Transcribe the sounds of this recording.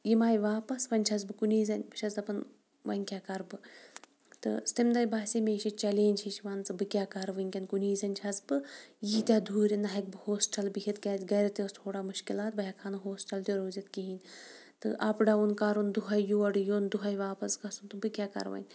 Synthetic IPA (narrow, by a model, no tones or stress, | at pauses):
jimaːjʋaːpɐsʋɐnʲt͡ʃʰɐzbɨkuniːzʲɐnʲbɨt͡ʃʰɐzd̪ɐpɐn | ʋɐnʲkʲakɐɾbɨ | t̪ɨ̰st̪imd̪ɐjbaːsʲimʲeːʃit͡ʃɐleːnʲt͡ʃʰit͡ʃʰʋɐnt͡sɨbɨkʲaːkɐɾʋɨnʲkʲɐnkuniːzʲɐnʲt͡ʃʲʰɐzbɨjiːt̪ʲjaːd̪ʱuːɾʲinɐɦɐk̚bɨhoːsʈɐlbɨɦʲit̪kʲaːtʲɡɐɾʲɐt̪est̪ʰoːɽaːmɨʃkʲilaːt̪̚bɐɦʲakʰanɨɦoːsʈɐlt̪ʲiɾoːzʲit̪kiɦinʲ | t̪ɨ̰ʔɐpɖɐunkɐɾund̪uɦɐjjoɐɖɨjoːnd̪uɦɐjʋaːpɐsɡɐsunt̪ɨbɨkʲaːkɐ̰ɾʋɐ̰nʲ